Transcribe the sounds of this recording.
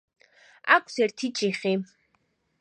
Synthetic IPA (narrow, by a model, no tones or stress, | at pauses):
akʷʰʼsɛɾt̪ʰit͡ʃʼiχi